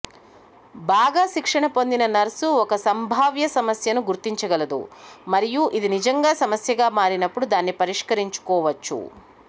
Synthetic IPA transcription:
baːɡaːʃikʂɐɳɐpo̞nd̪inɐnɐɾsuɔkɐsɐmbʱaːʋjɐsɐmɐsjɐnuɡuɾt̪iɲt͡ʃɐɡɐlɐd̪ṵmɐɾijuʔid̪inid͡ʒɐŋɡaːsɐmɐsjɐɡaːmaːɾinɐpːuɽud̪aːnːipɐɾiʂkɐɾiɲt͡ʃu̥kɔːʋɐt͡ʃːṵ

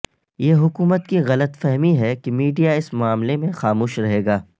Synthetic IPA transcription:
jeːɦʊkuːmət̪kiɣɐlət̪fɛɦmiɦɛkemiːɖijaɪsmʊaːmlemẽxaːmuːʃɾɐɦeːɡaː

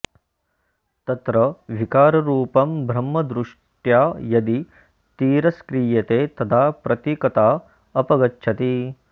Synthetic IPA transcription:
t̪ɐt̪ɾɐʋikaːɾɐɾuːpɐmbʱɾɐmːɐd̪ɾuʂ | ʈjaːjɐd̪i | t̪iːɾɐskɾiːjɐt̪eːt̪ɐd̪ʰaːpɾɐt̪ikɐt̪aː | ɐpɐɡɐtːt͡ʃʰɐt̪i

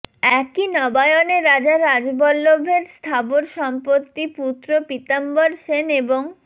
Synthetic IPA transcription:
ɛkinɔbaeoneɾad͡ʑaɾad͡ʑbɔlːobʱeɾst̪ʰaboɾʃɔmpot̪ːiput̪ɾopit̪amboɾʃeneboŋ

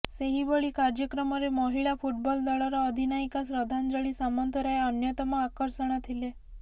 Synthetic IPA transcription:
seɦibɔɭikaɾd͡ʒjəkɾəmɔɾemɔɦiɭafʰuʈ̚bɔld̪aɭɔɾɔəd̪ʱinaikasɾəd̪ʱand͡ʒəɭisamɔnt̪ʰəɾaeənjət̪ɔmãakəɾsəɽ̃at̪ʰile

